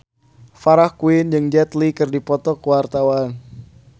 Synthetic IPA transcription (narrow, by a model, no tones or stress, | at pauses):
faɾahkuɪnd͡ʒɨŋd͡ʒɛt̪likɨrdipɔt̪ɔkəwart̪awan